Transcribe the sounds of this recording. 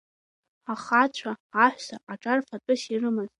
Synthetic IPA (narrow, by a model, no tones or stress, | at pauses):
aχat͡ɕʷʰaaħʷᶣsaʔaʈ͡ʂʼarfatʼɨsirɨmɨztʼ